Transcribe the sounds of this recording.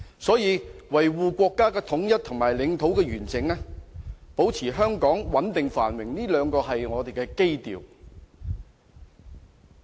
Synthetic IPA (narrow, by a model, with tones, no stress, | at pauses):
sɔː˨˥jiː˨˧wɐ˨˩jwuː˨kʷɔː˧kːaː˥kɛː˧t̪ʰʊ˨˥ŋjɐ˥t̚t̪ʰʊ˨˩ŋmaː˨˩jlɪ˨˧˥ŋt̪ʰo˨˥wkɛː˧ɥyː˨˩nt͡sɪ˨ŋlɛ˥po˨˥wt͡sʰiː˨˩ɦœː˥ŋkɔː˨˥ŋwɐ˨˥nt̪ɪ˨ŋfaː˨˩nwɪ˨˩ŋniː˥lœː˨˧ŋkɔː˧ɦɐ˨jŋɔː˨˧t̪e˨jkɛː˧ke˥jt̪ḭː˨w